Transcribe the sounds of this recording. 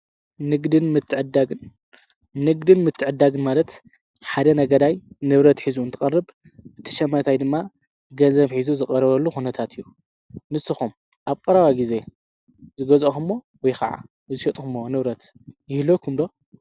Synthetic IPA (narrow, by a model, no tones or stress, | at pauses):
nɨɡd̪ɨnmɨt̪ʰːɨʕɨd̪a | nɨɡd̪ɨnmɨt̪ʰːɨʕɨd̪ːaɡɨnmalɐt̪ | ħad̪ɐnɐɡɐd̪ajnɨβɾɐt̪ħizuɨnt̪ʰɨ̥ɐrːɨb | ɨt̪ʰːɨ̥ʃɐmːɐt̪ʰajd̪ɨmːa | ɡɐnzɐβħizuzɨkʼɐɾɐβɐlːuxunɐt̪ʰat̪ʰɨjːu | mɨsːɨxum | ʔaβkʼɐɾɐβajɡize̞ | zɨɡɐzɐxɨmːo̞ | wɔjxaʕa̰ | ɨzɨʃɐt̪ʼxumːonɨβɾɐt̪ | jɪhlokʰumd̪o̞